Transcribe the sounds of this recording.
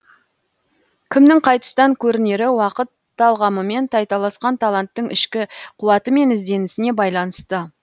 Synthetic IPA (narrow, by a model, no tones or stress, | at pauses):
kʲʰɪmnɪŋqʰɑjt̪ə̥st̪ɑŋkʲʰɵɾɪne̞ɾɪwɑqət̪ːɑlˠʁɑməme̞nt̪ʰɑjt̪ɑlˠɑsqɑnt̪ʰɑlˠant̪ːəɴɪʃkʲɪqʰʊwɑt̪əme̞nɪzd̪e̞nɪsɪne̞bɑjlˠɑnəst̪ə